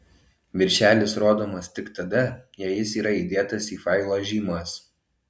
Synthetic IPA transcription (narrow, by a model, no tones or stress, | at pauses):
ʋʲɪɾʲʃʲæːlʲɪsɾoːd̪oːmɐst̪ʲɪkt̪ɐd̪ɐjɛjɪsiːɾɐiːˑd̪ʲeːt̪ɐsiːfɐɪlˠoːʒʲiːmɐs